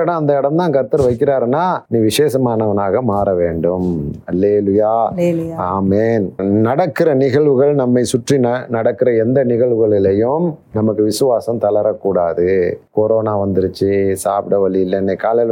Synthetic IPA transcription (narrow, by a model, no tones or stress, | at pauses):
ɽɐ̃ɐnd̪ɐɪɽɐmt̪ãːkɐɾt̪ːɐɾʋɐɪkːɪɾaːɾɛnːaːniːʋɪʂeːsɐmaːnɐʋɐnaːɣɐmaːɾɐʋeːɳɖɯmɐlːeːlʊjaːjaːmeːnnɐɽɐkːɪɾɐnɪɣɐɭʋɯɣɐɭnɐmːɐɪsʊʈrinɐnɐɽɐkːɪɾɐɛnd̪ɐnɪɣɐɭʋɯɣɐɭɪlɐjɯmnɐmɐkːɯʋɪsɯʋaːsɐmt̪ɐlɐɾɐkːuːɽaːðɯkoɾoːnaːʋɐnd̪ɪɾɯt͡ʃːɯsaːpɪɽɐʋɐɭɪjɪlːɐnːɐkaːlɐl